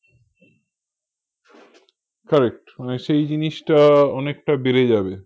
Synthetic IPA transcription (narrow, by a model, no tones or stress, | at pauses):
kaɾek̚ʈmaneʃejd͡ʑiniʃʈaɔnek̚ʈabeɾed͡ʑabe